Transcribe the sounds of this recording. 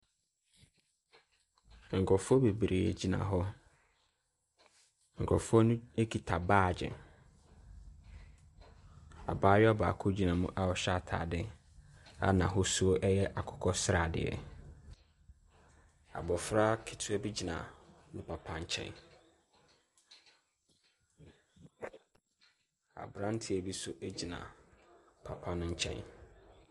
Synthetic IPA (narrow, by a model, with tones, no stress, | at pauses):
ŋ̩˨kʰɔ˨fʊ˦ɔ˦be˨bɾe˨ḛ˨d͡ʑi˨nã̰˨ɦɔ˦ | ŋ̩˨kʰɔ̰˨fʊ˦ɔ˦nʊ̃˦e˦kʰi˨tʰa˨baː˦˨d͡ʑɛ̰˨ | a̰˨baː˦ja˦ba̰ː˨kʰʊ˦d͡ʑi˨nã˨mʊ̰̃˦ʔa˦wɔ˨ɕa˦˨tʰa̰ː˨dɪ˦ | a̰˦nã˨ɦʊ˦su˦o˦ʔɛ˦jɛ˦ʔa˨kʰʊ̥˨kʰɔ˦sɾa˨dɪ̰˨ɛ̰˨ | a̰˨bɔ˨fɾa˦kʰɪ˨tʰʊ˦æ˦bi˦d͡ʑi˨nã̰˨nʊ̃˦pʰa˨pʰã˦ɲ̩˦t͡ɕʰɛ̰̃˦n | a̰˨bɾã˦n̩˦tʰi˨æ˨bi˦sʊ˦ʔe˦d͡ʑi˨nã̰˨ | pʰa˨pʰã˦nʊ̃˦ɲ̩˦t͡ɕʰɛ̰̃˦n